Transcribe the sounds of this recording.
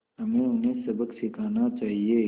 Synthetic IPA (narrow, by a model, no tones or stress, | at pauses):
ɦɐmẽːʊnɦẽːsɐbəksɪkʰaːnat͡ʃaːɦieː